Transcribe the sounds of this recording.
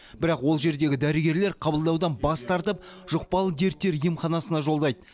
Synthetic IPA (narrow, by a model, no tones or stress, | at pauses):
bɪɾɑqwo̞lˠʒe̞ɾd̪e̞ɡʲɪd̪æɾɪɡʲe̞ɾle̞ɾqʰɑbəlˠd̪ɑwd̪ɑnbɑst̪ʰɑɾt̪əp̚ʒ̥ʊq̚pɑlˠəd̪e̞ɾt̪ːe̞ɾijəmχɑnɑsənɑʒo̞lˠd̪ɑjd̪ə